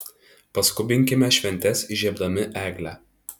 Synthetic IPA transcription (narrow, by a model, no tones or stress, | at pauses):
pɐskʊbʲɪŋʲkʲɪmʲɛʃʲʋʲɛnʲt̪ʲɛsɪʒʲiɛbd̪ɐmʲɪʔæːɡlʲæ